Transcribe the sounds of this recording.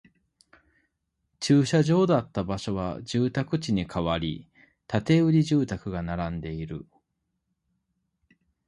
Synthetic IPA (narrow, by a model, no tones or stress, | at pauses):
t͡ɕɨːɕaʑo̞ːd̪at̪ːabaɕo̞βa̰d͡ʑɨːt̪akɯ̟t͡ɕiɲ̟ikʰaβaɾʲḭ | t̪at̪e̞ɯ̟ɾʲiʑɨːt̪akɯ̟ɡanaɾãnd̪e̞iɾɯ̟̰